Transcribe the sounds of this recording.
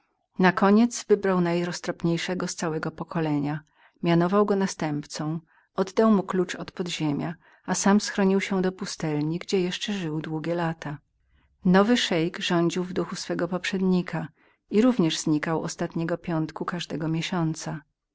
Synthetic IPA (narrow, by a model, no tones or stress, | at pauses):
nakɔɲɛt̪zvɘbɾawnajɾɔst̪ɾɔpɲejʂɛɡɔst̪sawɛɡɔpɔkʰɔlɛɲa | mʲjanɔvawɡɔnast̪ɛmpt̪sɔ̃w̃ | ɔd̪d̪awmuklut͡ʂɔt̪pɔd̪ʑemʲja | asamsxɾɔɲiwɕɛd̪ɔpust̪ɛlɲiɡd͡ʑɛjɛʂt͡ʂɛʐɘwd̪wuɡʲjɛlat̪ʰa | nɔvɘʂɛjɡʐɔɲd͡ʑiwvd̪uxusfɛɡɔpɔpʂɛd̪ɲikʰa | iɾuvɲɛʐzɲikawɔ̰st̪at̪ɲɛɡɔpʲjɔnt̪kukaʐd̪ɛɡɔmʲjeɕɔnt̪sa